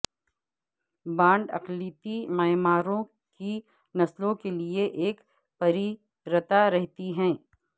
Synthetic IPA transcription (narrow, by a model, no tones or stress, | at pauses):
bãːɳɖɐ̰qliːt̪imɛːmaːɾõ | ki | nɐslõkelieʔeːk | pɐɾi | ɾət̪aɾɛɦt̪iɦɛ̃ː